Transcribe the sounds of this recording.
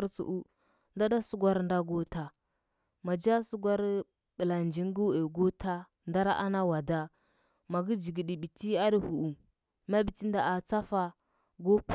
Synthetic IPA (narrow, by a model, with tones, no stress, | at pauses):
ɾt͡sṵ˨ʔu˦ | ɮa˦da˦su˦ɡʷa˦ɾn˦da˦ɡo˦ta˨ | ma˨d͡ʒa˦su˦ɡʷa˦ɾ | ɓə˨la˨nd͡ʒi˦ŋ˦ɡu˦e˨ɡo˦tʰa˦ | nda˦ɾa˦ʔa̰˦na˦wa˨da˦ | ma˨ɡi˦d͡ʒi˨ɡi˨ɗi˨bi˨ti˦a˦ɗi˦hu˨u˨ | ma˦bi˨ti˦nda˨a˨t͡sa˦fa˨ | ɡo˦p